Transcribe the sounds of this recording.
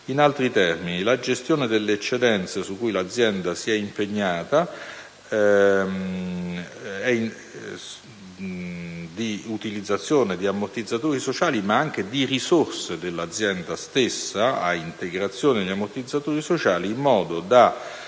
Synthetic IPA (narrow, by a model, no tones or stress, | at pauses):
inalt̪ɾit̪ɛrminilad͡ʒest̪joːned̪elːeːt͡ʃːed̪ɛnt̪sesukːujlad̪zːjɛnd̪asiɛimpeɲːaːt̪a | ɛ | d̪iut̪ilid̪zːat̪sːjoːned̪iamːort̪id̪zːat̪uːɾisot͡ʃaːlimaaŋk̟ed̪irisorsed̪elːad̪zːjɛnd̪ast̪esːaaint̪eɡɾat̪sːjoːned̪amːort̪id̪zːat̪uːɾisot͡ʃaːliːmːɔːd̪od̪a